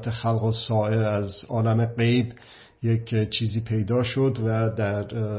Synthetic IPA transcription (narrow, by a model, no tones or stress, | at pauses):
t̪ʰexælɣosɒːeɾæzɒːlæmeɢejb | jekʰt͡ʃʰiːziːpʰe̞jd̪ɒːʃo̞d̪væd̪æɾ